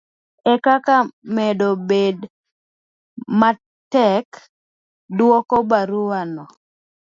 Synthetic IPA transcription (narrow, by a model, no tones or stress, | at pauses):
ɛkakamɛdobed | ma | tɛk | dwɔkɔbaɾuanɔ